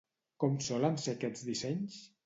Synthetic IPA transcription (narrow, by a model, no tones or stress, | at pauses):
kɔmsɔlənsekɛd͡zðisɛɲs